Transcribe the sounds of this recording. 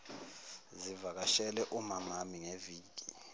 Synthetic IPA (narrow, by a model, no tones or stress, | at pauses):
zivak̬aʃɛlɛʔumamamiŋeviːɡ̥i